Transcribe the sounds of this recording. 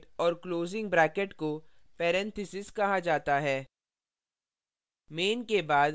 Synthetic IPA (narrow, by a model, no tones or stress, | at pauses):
ʈɔːɾkloːzɪ̃ŋɡ̚bɾɛːkeʈkopɛːɾɛ̃nt̪ʰɪsɪskɐɦad͡ʒaːt̪aɦɛː | meːnkebaːd̪